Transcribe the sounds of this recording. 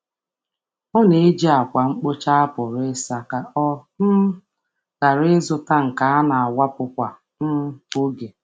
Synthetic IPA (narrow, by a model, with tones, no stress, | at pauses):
ɔ˦ne˨˦d͡ʒi˦a˨kʷa˨ŋ͡m̩˦k͡po˦t͡ʃa˦a˦pʊ˨ɾɪ˦sa˨ka˨ʔɔ˦m̩˦ | ɣ̥a˨ɾɪ˦zʊ˨ta˦ŋ̩˨ka˨˦a˦na˨a˨wa˦pʊ˦kʷa˨˦ | o˦ɡe˨